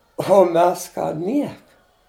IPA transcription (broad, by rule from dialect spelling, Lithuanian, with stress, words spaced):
oː ˈmʲɛs ˈkɑː ˈnʲiɛkɐ